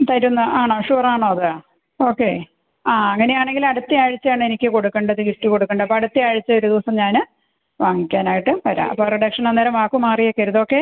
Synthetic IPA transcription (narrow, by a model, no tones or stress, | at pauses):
t̪ɐɾunːɐʔaːɳoːʂuːraːɳoːɐðɨ | o̞ːkːe̞ː | aːɐŋːɐne̞jaːɳe̞ŋɡilɐɽut̪ːiaːɻit͡ɕːɐjaːɳɨenikʲːɨko̞ɽukːɐɳɖɐðɨkiʈːiko̞ɽukːɐɳɖɐpːoːɐɽut̪ːiaːɻit͡ɕːɐo̞ɾud̪iʋɐsɐmɲaːnɨ | ʋaːŋikʲːaːnaːjiʈːɨpɐɾa̰ːʔɐ̰pːoreɖɐkʂɐnɐnːeːɾɐmaːkːumaːrijokːɐɾuðo̞ːkːe̞ː